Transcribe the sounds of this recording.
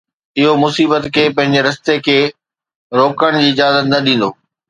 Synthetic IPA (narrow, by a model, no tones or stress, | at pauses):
ɪɦomʊsiːbət̪kʰeːpɐ̃ɦɪ̃ɲd͡ʑeɾɐst̪ekʰeː | ɾoːkəɽ̃d͡ʑiːɪd͡ʑaːzət̪nɐɗĩːn̆d̪oː